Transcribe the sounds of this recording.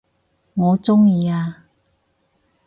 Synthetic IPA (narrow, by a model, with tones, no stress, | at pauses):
ŋɔː˨˧t͡sʊ˥ŋjiː˧aː˧